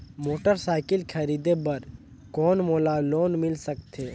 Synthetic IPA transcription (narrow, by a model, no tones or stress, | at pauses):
moːʈəɾsaːɪkɪlkʰɐɾiːd̪ebɐɾ | kɔːnmoːlaloːnmɪlsəkt̪ʰeː